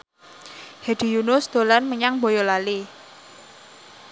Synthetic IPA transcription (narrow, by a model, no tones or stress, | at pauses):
hed̪̥i̤junʊsd̪̥o̤lanməɲaŋbojolali